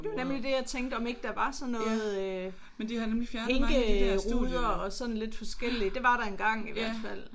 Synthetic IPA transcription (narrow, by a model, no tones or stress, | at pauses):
d̥e̝nemlid̥e̝jɑt͡sʰeŋɡd̥əɒ̽me̝ɡ̥əd̥æʋɑ̈sɒ̽nːɔ̽ːð̩ˠø | mend̥ihænemlifjæɐeŋɡ̥əʁuðˠɐɒ̽sɒ̽n̩le̝d̥fɒ̽sɡ̥el̰id̥e̝ʋɑ̈ɾɑ̈e̝nɡ̥ɑ̈ŋ̰iʋæɐ̰d̥fæl̰